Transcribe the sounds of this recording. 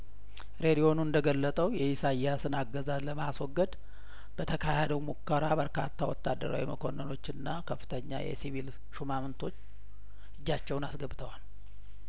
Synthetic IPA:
ɾe̞d̪ijo̞nuɨnd̪əɡəlːət̪ʼəwjɛisajasɨnaɡːəzazləmaswɔɡːəd̪ | bət̪ʰəkʰahed̪əwmukːəɾabəɾka̰t̪ʰːawɔt̪ːad̪ːə̰ɾa̰wḭməkʰo̞nːəno̞t͡ʃːɨnːakʰəfːɨ̥t̪ʰəɲːa̰jɛ̰sivil | ʃumamɨnt̪ʰo̞t͡ʃː | ɨd͡ʒːat͡ʃːɛwnasɡəbt̪ʰəwal

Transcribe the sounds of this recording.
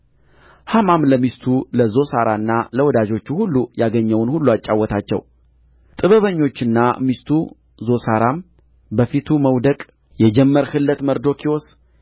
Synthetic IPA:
hamamləmist̪ʰuləzo̞saɾanːaləwɔd̪ad͡ʒo̞t͡ʃːuhulːujaɡəɲːɛwnhulːuat͡ʃʼːawɔt̪ʰat͡ʃːɛ̰w | t̪ʼɨβəβəɲːo̞t͡ʃːɨnːamist̪ʰu | zo̞saɾam | bəfit̪ʰuməwd̪əkʼ | jɛd͡ʒɛmːəɾhɨlːət̪məɾd̪o̞kʰios

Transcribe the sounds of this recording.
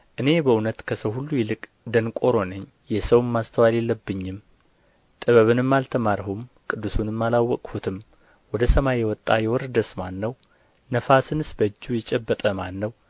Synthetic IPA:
ʔɨne̞bəunət̪kʰəsəwhulːujɛlɨkʼ | d̪ənkʼo̞ɾo̞nəɲː | jɛsəwmːast̪ʰəwalelːəbːɨɲːɪm | t̪ʼɨβəβɨnɨmːalt̪ʰəmaɾhumkʼɨd̪ːusunɨmːalawːɔkʼhut̪ʰɨm | wɔd̪əsəmajɛwɔt̪ʼːajɛwɔɾd̪əsmanːəw | nəfasɨnɨsbəd͡ʒːujɛt͡ʃʼːɛbːət̪ʼəmanːəw

